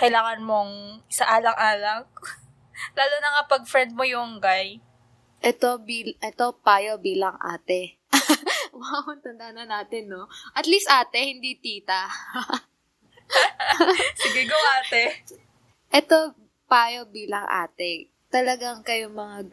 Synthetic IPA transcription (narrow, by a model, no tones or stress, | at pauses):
kɐjɪlaːŋɐnmoŋsɐʔaːlɐŋʔaːlɐk̚ | laːlonɐŋapɐɡ̚fɾɛnd̪̚mojʊŋɡaj | ʔɛt̪o̞biːlʔɛt̪o̞paːjobiːlɐŋʔa̰ːt̪ɛ | wahont̪ɐnd̪anɐnaːt̪ɛnːo̞ʔɐt̪liːst̪ʔaːt̪ɛhɪnd̪it̪iːt̪ɐ | sɪɡɪɡoŋaːt̪ɛ | ʔɛt̪o̞ | paːjo̞biːlɐŋʔa̰ːt̪ɛ | t̪ɐlɐɡaŋkɐjomɐŋa